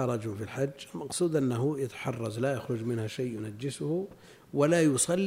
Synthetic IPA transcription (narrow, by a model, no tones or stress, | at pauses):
ɑɾˤɑd͡ʒufilħad͡ʒːɪlmɑqsˤuːd̪ʔanːaɦʊjat̪ḁħɑrˤːɑzˤlajaxɾˤʊd͡ʒmɪnhaʃajːjʊnad͡ʒːɪsʊh | walajʊsˤɑlː